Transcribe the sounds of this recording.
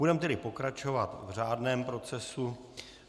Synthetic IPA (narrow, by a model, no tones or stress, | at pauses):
udɛmt̪ɛdɪpo̞kɾat͡ʃo̞vat̪vr̝aːdnɛːmpɾo̞t͡sɛsu